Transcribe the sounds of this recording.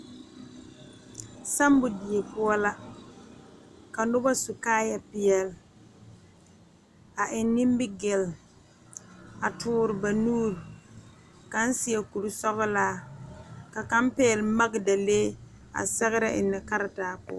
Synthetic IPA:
sa˦m˦bʊ˨di˨je˨pʊ˦ɔ˦la˦ | ka˨nʊ˦ba˦sʊ˨kaː˦ja˦pɪ˦jɛ˨l | a˨ʔɪ˨nnːi˦mbɪ˦ɡɪ˨l | a˨tʰʊː˦ɾɪ˨ba˨nuː˦ɾ | ka˨˦n̩˦sɪ˨ɛ˨ku˨ɾu˦sɔ˦bʊ˦laː˦ | ka˨ka˦mpɛ˦ɛ˨lma˦ɡda˨leː˦ | a̰˨sɛ˦ɣɪ˦ɾɪ˦ʔɪ̰˨nːɪ˨ka˦ɾa˨taː˨pʊ̰˦ɔ̰˦

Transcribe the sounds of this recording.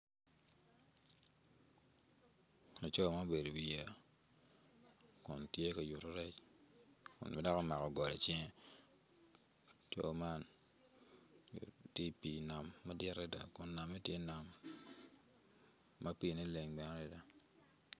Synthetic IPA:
no˨t͡ʃo˦˨ma˦be˨do˨bi˦ja˨ | kʊ˨ntje˦ka˨ju˨to˦ɾɛ˦t͡ʃ | kʊ̰˨nma˦da˦kɔ˦ma˨kɔ˨ɡɔ˨lɛ˨t͡ʃɛ˦ŋ˦˨ | t͡ʃo̰˦ma˦n | ti˦pi˨na˨mːa˦dɪ˦ɾɛ˦da̰˨kʊ˨nːa˨mɛ˦tje˦na˨m | a˦pi˦˨ne˦le˨ŋbɛ˨n˦ɾɛ˦da˨

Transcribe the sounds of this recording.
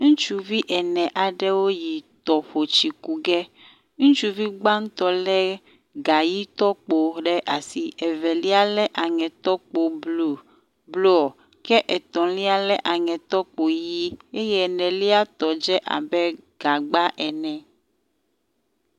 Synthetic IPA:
ŋũ˦t͡ʃu˦vi˦ʔɛ˨nɛ̃˨ʔa˨ɖɛ˦wo˦ji˨t̪ɔ˨ɸo˨t͡ʃi˨ku˨ɡɛ˦ | ŋũ˦t͡ʃu˦vi˦ɡ͡ba˦ŋ̩˦t̪ɔ˦lɛ˦ | ɡa˨ji˦t̪ɔ˦k͡po˨ɖɛ˦ʔa˨si˨ɛ˨vɛ˨li˦a˦lɛ˦ʔa˨ŋɛ̃˨t̪ɔ˦k͡po˨blo˨ | blo˦ɔ˨ | kɛ˦ʔɛ˨t̪ɔ̃˨li˦a˦lɛ˦ʔa˨ŋɛ̃˨t̪ɔ˦k͡po˨ji˦e˦jɛ˦˨nɛ̃˨li˦a˦t̪ɔ˨d͡ʒɛ˦ʔa̰˨bɛ˦ɡ̥a˨ɡ͡ba˦ʔɛ˨nɛ̃˨

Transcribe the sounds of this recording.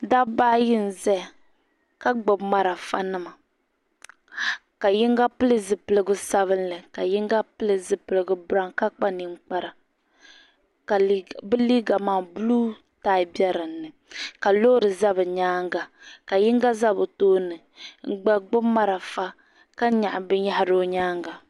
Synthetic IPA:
da˦baː˦ji˦n˨zɛ˦˨ | ka˦ɡ͡bɨ˨bma˨ɾa˨fa̰˦nɨ˦ma˨ | ka˨ji˦ŋɡa˦pɨ˦lɨ˦zɨ˨pɨ˨lɨ˨˦ɡʊ˦sa˦βɨ˦nlɨ˨ka˨ji˦ŋɡa˦pɨ˦lɨ˨zɨ˨pɨ˨lɨ˨ɡɨ˨bɾa˦ŋka˦k͡pa˦ni˨ŋ͡m̩˨k͡pa˦ɾa˨ | ka˨˦bɨ˦li˦ɡa˨maː˨bu˦lu˦ | taː˦ɪ˨bi˦ɛ˦ɾɨ˨nːɨ˨ | ka˨lo˦ɾɨ˨za˦βɨ˨ɲaː˦ŋɡa˨ka˨jɪ˦ŋɡa˦za˦bo˨toː˦nɨ˨ | ŋ̩˦˨ɡ͡ba˨ɡ͡bʊ˦bma˦ɾa˨fa˦ | ka˦ɲa˨ʔa˨bɨ˦ja˦ɦa˨ɾo˦ɲaː˦ŋɡa˨

